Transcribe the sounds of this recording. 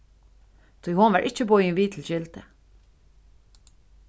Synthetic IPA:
t̪ʰujhʊnʋaɹʔɪt͡ʃːəbɔjɪnʋiːt̪ʰɪlʃɪlt̪ə

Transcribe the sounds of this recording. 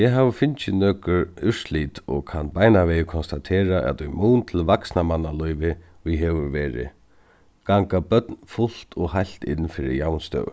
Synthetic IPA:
jɛɦaːʋfɪnt͡ʃɪnœːkʏɾɪʂliːt̪ɔkʰanbaːjnaʋɛːjɪkʰɔnst̪at̪ʰeːɾaʔɛ̰t̪ʏjmuːnt̪ʰɪlvaksnamanːalɔjʋɪ | ʋiɦɛʋʏɾʋɛːɾɪ̰ | ɡ̥aŋkabœt̪nfʊl̥t̪ʰɔɣɦajl̥t̪ɪ̰nːfɪɾɪ̰jawnst̪œ̰w̰

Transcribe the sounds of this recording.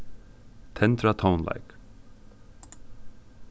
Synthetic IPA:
t̪ʰɛnt̪ɹat̪ʰãʊ̃nla̰ɪk

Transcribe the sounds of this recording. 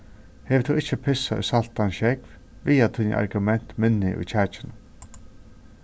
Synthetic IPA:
heːʋt̪ʰuɪht͡ʃəpʰɪsaʏ̰salt̪anʃɛkv | ʋiːat̪ʰiːɲə̰ʔa̰ɾɡʊmɛn̥t̪mɪnɪʔʊ̰jt͡ʃʰæːt͡ʃɪnə

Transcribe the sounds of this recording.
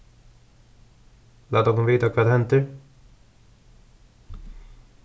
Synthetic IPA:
lad̪ɔmɔmviːt̪akʰvat̪ʰɛnt̪əɾ

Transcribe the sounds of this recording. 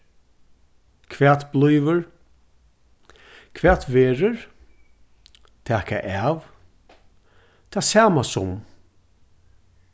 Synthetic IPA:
kʰʋɛːt̪blujʋəɹ | kʰʋɛːt̪ʋeːɹəɹ | t̪ʰɛːka̰ʔæːʋ | t̪ʰaːsaːmasʊ̰m

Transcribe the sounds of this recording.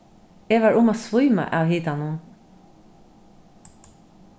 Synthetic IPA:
eːʋæːʔʊmoːsʋʊʏmɑ̰ʔɑːʋhiːd̪ɑnuːn

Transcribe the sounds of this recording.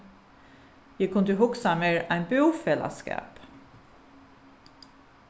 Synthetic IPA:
jækʰʊnd̪əɦʊksameːɹæɪnbøwfɛla̰skɑ̰ːp

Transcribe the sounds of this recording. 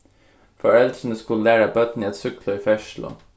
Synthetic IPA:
fɔɹɛld̪ɾənəskʉllæːɾəbœt̪n̩iːɛt̪sʏklʊiːfɛʃlʊ̰

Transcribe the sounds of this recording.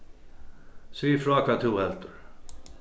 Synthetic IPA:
siːfɾaːkat̪ʰuːɛlt̪əɾ

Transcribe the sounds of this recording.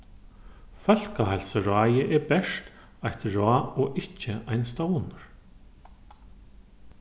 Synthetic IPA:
fœl̥kaɦajlsaɾaːjɪʔɛɾbɛʂt̪ | ajht̪ɾaːɔʔɪht͡ɕːɪajnst̪oːwnʊɾ̥

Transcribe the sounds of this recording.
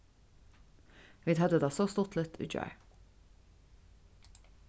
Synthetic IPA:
ʋiːd̪hɑd̪əd̪ɑːsoːst̪ʊt̪ʰlɪt̪ʰʉ̰d͡ʒɑ̰ɪ

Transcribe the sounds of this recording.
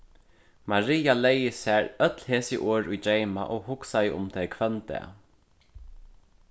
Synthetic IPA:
maɾiːjalejɪsæɹœt̪lheːsɪ̰ʔoːɹujd͡ʒejma̰ʔɔɣhʊksajəʊ̰mt̪ʰɛkʰʋœnt̪ɛ̰

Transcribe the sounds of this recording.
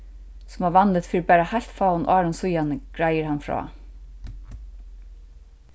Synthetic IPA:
sʊmaʋanlɪt̪fiːipaːɾahajl̥t̪faːwʊnʔɑːɾʊnsʊjanəɡ̥ɾajəɾhanfɹɔ̰ː

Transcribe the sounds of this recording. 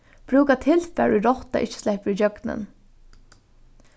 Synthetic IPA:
b̥ʰɾʉːkɑt̪ʰɪlfæɹʉɾɔt̪ɑ̰ʔɪçə̥slæɪpəɾid͡ʒœɡnə̰n

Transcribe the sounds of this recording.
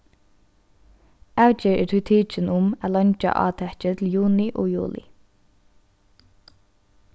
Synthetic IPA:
awt͡ʃɪɹʔɛt̪ʰʏt̪ʰiːt͡ʃənʊmæːlœnt͡ʃa̰ʔɑ̰ːt̪ʰɛht͡ʃət̪ʰɪljuːnɪʔɔ̰ːjṵːlɪ̰

